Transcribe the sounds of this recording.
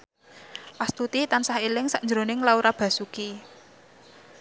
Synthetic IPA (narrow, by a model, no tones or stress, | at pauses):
past̪ut̪it̪ansahilɪŋsaʔnd͡ʒəɾonɪŋlauɾab̥a̤suki